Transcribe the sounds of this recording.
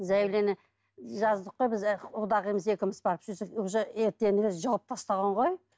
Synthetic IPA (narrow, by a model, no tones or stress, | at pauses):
zæjlenɪ | ʒɑzd̪əqːojbɪzʊd̪ɑʁijməze̞kʲɪmɪzbɑɾəpʒ̥ʏzd̪ɪkoʒeeɾt̪ːenɪɡɪʒɑlˠəp̚t̪ʰɑst̪ɑʁɑɴʁo̞j